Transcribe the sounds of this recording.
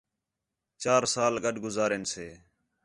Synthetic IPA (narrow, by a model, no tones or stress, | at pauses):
t͡ʃaːɾsaːlɡəɖʱɡʊzaːɾeːnseː